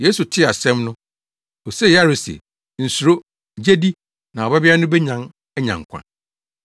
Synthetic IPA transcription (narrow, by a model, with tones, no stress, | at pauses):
jeː˦su˨tʰɪ˦a˨sɛ̃˦mnʊ̃˦ | ɔ˨sɛ˦ja˦˨ɾe˨sɛ̰˨ | n̩˨su˨ɾo˦ | d͡ʑe˦di˦ | nã˨ɔ˨ba˦bɪ˦a˦nʊ̃˦bɛ˦ɲã˨n | ɛ˦ɲã̰˨ŋ̩˨kʷʰã̰˨n